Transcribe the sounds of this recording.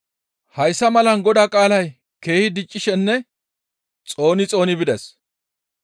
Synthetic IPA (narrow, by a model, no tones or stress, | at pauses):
hɐjsːɐmɐlɐnɡɔd̪aːkʼaːlɐj | ke̞ːhɪd̪ɪt͡ʃʼːɪʃɛnːɛ | t͡sʼo̞ːnɪt͡sʼo̞ːnɪbɪd̪ɛs